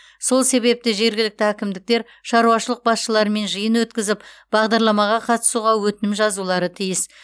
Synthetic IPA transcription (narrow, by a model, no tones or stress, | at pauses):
so̞lˠse̞βe̞p̚t̪ɪʒe̞ɾɡʲɪlɪk̚t̪ɪækʲɪmd̪ɪk̚t̪e̞ɾ | ʃɑɾuɑʃəlˠəq̚bɑsʃəlˠɑɾme̞nʒəjənwɵt̪kʲɪzɪpb̥ɑʁd̪ɑɾlˠɑmɑʁɑqʰɑt̪ə̥suʁɑwɵt̪ɪnɪmʒɑzulˠɑɾət̪ʰijɪs